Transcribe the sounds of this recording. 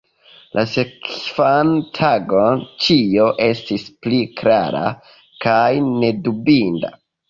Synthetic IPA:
lʔasekfantʰaɡo̞nt͡ʃio̞ʔe̞stisplikɾaɾa̰ | kajne̞dubinda̰

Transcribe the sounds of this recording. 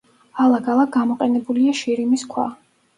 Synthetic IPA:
alˠaɡalˠak̚ɡamɔqʼɛnɛbuliaʃiɾimiskʰwa̰

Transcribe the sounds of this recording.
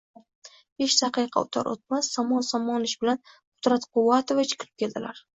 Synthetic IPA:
eʃsɑqʰɨjqʰɑ̰ʊt̪ʰa̰ɾʔo̰t̪̚masːɒmɒnsɒmɒnɪʃbɪlan | ʊ̥t̪ɾat̪qʊwat̪ʰovat͡ʃʰɪ̥qʰɾɪp̚kʲʰe̞ld̪ɪlaɾ

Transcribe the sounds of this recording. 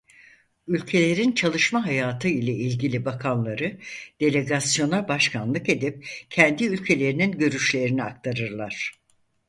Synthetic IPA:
ylʲcʰe̞lʲe̞ɾint͡ʃʰalˠɯʃmaɦajaːt̪ʰɯilʲɛilʲɟilʲibakʰanlˠaɾɯd̪̥e̞lʲe̞ɡasjo̞nabaʃkʰanlˠɯke̞d̪ip̚cʰɛnd̪iylʲcʰe̞lʲe̞ɾininɟø̞ɾyʃlʲe̞ɾiniak̚t̪ʰaɾɯɾlˠaɾ̝̥

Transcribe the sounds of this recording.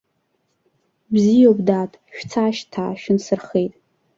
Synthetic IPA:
bzijobdaːtʼʃᶣt͡sʰaːʃtʰa̰ːʃᶣɪnsɨrχe̞jtʼ

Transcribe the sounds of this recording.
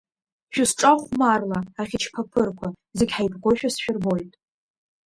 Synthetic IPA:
ʃᶣʊsʈ͡ʂʼaχʷmarlaːχʲɪt͡ʃʰpʰapʰɨrkʷʰa | zeɡʲħajpʰɡʷoʃᶣasʃᶣɪrbo̞jtʼ

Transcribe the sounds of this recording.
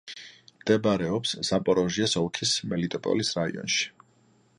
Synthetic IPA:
md̪̥ɛbaɾɛɔpsz̥apʼɔɾɔʒiɛsɔlˠkʰismɛlit̪ʼɔpʼɔ̰lisɾaḭɔ̰nʃi̥

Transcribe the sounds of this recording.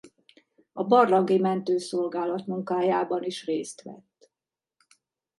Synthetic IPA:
ɒbɒrlɒŋɡimɛnt̪øːso̞lɡaːlɒt̪muŋkaːjaːbɒniʃreːst̪ʋɛ̰t̪ː

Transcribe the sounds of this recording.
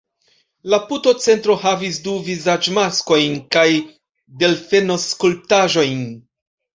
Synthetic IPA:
laputo̞t͡se̞ntɾo̞havisduvizad͡ʒmasko̞jnkaj | de̞lfe̞no̞skulp̚taʒo̞jn

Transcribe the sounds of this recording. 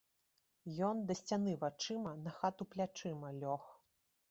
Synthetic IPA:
jɔnd̪ɐsʲt͡sʲan̪ɨvat͡ʂɨmɐnɐxat̪uplʲat͡ʂɨmɐlʲɔx

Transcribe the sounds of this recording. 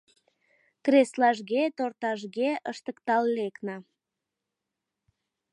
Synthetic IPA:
kreslɑʒɣet̪ort̪ɑʒɣeəʃt̪əkt̪ɑlːeknɑ

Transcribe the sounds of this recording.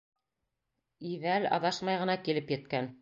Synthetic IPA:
ivælɑ̰βɑʃmɑjʁɤ̆nɑkilɘpjɘ̆t̪̚kæn

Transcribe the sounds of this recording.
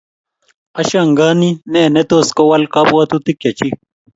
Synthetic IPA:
ɐɕaŋɡaːnineːnet̪oːskowɐlkɐbwɐt̪ut̪ikjɐt͡ɕi

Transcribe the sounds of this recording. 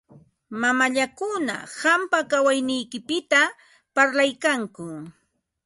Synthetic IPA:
mamaʎakʊna̰hampakawajnɪjkɪpɪt̪a | paɾlajkaŋkʊ

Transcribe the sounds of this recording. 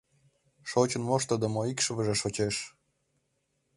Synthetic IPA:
ʃot͡ɕə̆nmoʃt̪əd̪ə̆moikʃəvəʒeʃot͡ɕeʃ

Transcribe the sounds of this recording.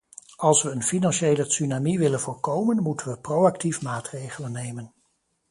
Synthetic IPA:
ɑlˠsʋəənfinɑnʃejləsynamiʋɪlənvʊːɹkowmənmutənʋəprowɑktifmaːtrejχələnːejmən

